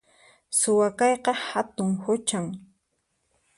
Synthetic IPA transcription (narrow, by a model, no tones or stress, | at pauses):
sʊwakɑjqɑhat̪ʊŋhʊt͡ʃaŋ